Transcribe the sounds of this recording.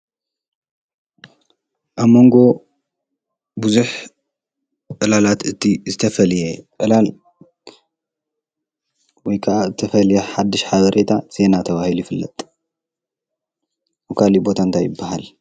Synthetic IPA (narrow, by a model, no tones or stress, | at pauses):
ʔaβmo̞ŋɡo̞ | buzuħ | ʔɨlalat̪ɨt̪ʰizɨt̪ʰɐfɐljeʔɨlal | wɔjkʰɐʔazɨt̪ʰɐfɐljeħad̪ːɨʃħaβɐɾʔe̞t̪ʰaz̥e̞nat̪ʰɐβahilujɪfɨlːɐ̰t̪ʼ | kʰalibo̞t̪ʰant̪ʰajɪbːaɦal